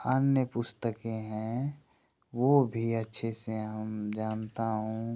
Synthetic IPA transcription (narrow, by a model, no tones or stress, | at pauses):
ənjəpʊst̪əkeɦɛ̃ | ʋobʱiətːʃʰeseɦəmd͡ʒaːnt̪aɦũː